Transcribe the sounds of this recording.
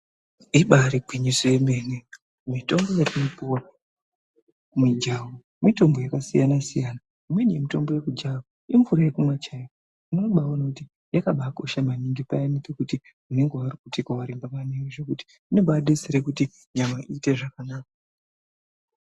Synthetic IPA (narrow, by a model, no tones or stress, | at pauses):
iɓaɾiɡʱwiɲisejemene | mito̞mbo̞jatunopuwa | mid͡ʒawo | mito̞mbo̞jakasijanasijaːna | imwe̞nijemito̞mbo̞jekud͡ʒawo | iɱvuɾajekumwat͡ʃajo | inooɓaonakuti | jakaɓako̞ʃamaniŋipajanit͡sekuti | une̞ŋɡearikutikawaɾimbamanewiʐekuti̥ | inebaɗeseɾekuti | ɲamaʔite̞ʐakanaːk̚a